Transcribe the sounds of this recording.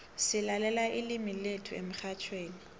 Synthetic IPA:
sɪlalɛlaʔɪlɪmiletʰʊḛmʊχʰat͡ʃʰweːni

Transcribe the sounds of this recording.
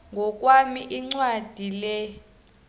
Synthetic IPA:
ŋɡʱɔk̬ʼwamiʔiŋ͡ǀwad̥ʱilɛ

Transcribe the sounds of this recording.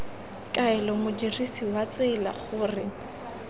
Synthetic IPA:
kʼaɛlɔmʊdirisiwat͡seːla̰χʊːrɪ

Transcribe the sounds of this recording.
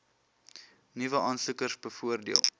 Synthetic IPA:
nivəɑːnsukərsbəfuərdiəlˠ

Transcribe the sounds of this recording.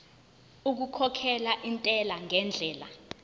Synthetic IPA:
uk̬ukʰɔkʰɛlaʔintʼɛlaŋɛnd͡ɮʱɛːla̰

